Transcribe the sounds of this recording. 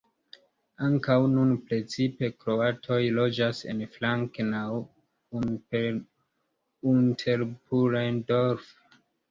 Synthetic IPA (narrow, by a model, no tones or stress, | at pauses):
aŋkawnunpɾe̞t͡sipe̞kɾo̞atʰo̞jlo̞d͡ʒase̞̰nflaŋknaw | n | intʰe̞ɾpʰuɾajndoɾf